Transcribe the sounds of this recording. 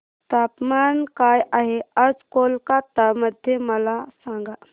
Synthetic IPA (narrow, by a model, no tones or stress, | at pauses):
t̪apmankajʔaɦeəd͡ʒkolkat̪əməd̪ʱjeməlasãŋɡa